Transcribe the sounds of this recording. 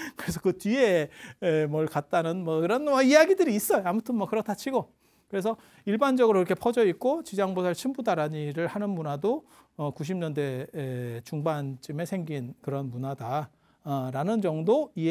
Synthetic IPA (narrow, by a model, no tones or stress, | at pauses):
kɯɾe̞s̬ʰʌkɯtieemwʌɭkat̚t͈anɯnmʌiɾʌnmʌijaɡidɯɾiːs͈ʌjoamutʰɯnmwʌkɯɾʌtʰat͡ɕʰiɡo | kɯɾe̞s̬ʰʌ | iɭband͡ʑʌɡɯɾoiɾʌkʰe̞pʰʌd͡ʑʌit̚k͈ot͡ɕid͡ʑaŋbosʰaɭt͡ɕʰimbudaɾaɲiɾɯɭhanɯnmunado | ʌkuɕ̬ʰimɲʌnde̞ | t͡ɕuŋbant͡ɕ͈ime̞sʰe̞ŋɡinkɯɾʌnmunada | ɾanɯnd͡ʑʌŋdoie